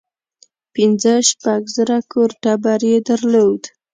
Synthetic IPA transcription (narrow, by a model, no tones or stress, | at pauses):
pinzəʃpaɡzəɾakʰoɾʈabaɾjed̪əɾlod̪